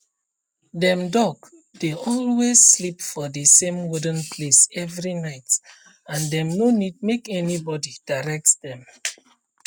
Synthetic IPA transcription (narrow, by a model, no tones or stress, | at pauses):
dɛ̃mdɔɡ | d̥eɔlwezslipfɔdəsẽmwudə̃npʰlesɛvɹinaɪt | ãndɛ̃mnonid̚mekɛnibɔdid̥aɹɛk̚tdɛ̃m